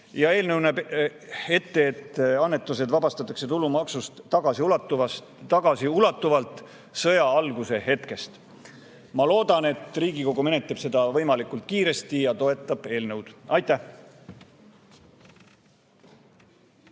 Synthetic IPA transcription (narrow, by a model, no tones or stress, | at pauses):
jɑe̞ːlnɤwnɑb | e̞t̪ːe̞t̪ːɑnːe̞t̪ːˑuse̞d̪vɑbɑst̪ɑt̪ːˑɑkse̞t̪ulumɑksust̪ːɑɡ̥ɑsiulɑt̪ːuvɑs | t̪ɑɡ̥ɑsiulɑt̪ˑːuvɑlt̪ˑ | sɤjɑɑlɡuse̞ɦe̞t̪ke̞st̪ | mɑlo̞ːd̪̥ɑne̞t̪riːɡiko̞ɡ̥ume̞ne̞t̪ːˑeb̥se̞d̪̥ɑvɤ̞jmɑlikˑult̪̚kiːɾe̞st̪ijɑt̪o̞e̞t̪ˑːɑb̥e̞ːlnɤwd̪̥ɑjt̪ːˑæh